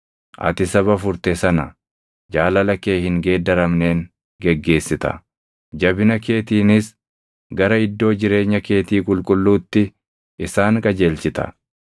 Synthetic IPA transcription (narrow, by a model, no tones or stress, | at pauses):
ʔɐ̰t̪ɪsɐβɐfʊɾt̪ɛsɐnɐ | d͡ʒaːlɐlɐke̞ːhɪŋɡe̞ːd̪ːɐɾɐmne̞ːŋ | ɡɛɡːe̞ːsːɪt̪ɐ̰ | d͡ʒɐbɪnɐke̞ːt̪iːnɪs | ɡɐɾɐɪd̪ːo̞ːd͡ʒɪɾe̞ːɲːɐke̞ːt̪iːkʼʊlkʼʊlːuːt̪ːɪ | ɪsaːŋkʼɐd͡ʒeːlt͡ʃɪt̪ɐ̰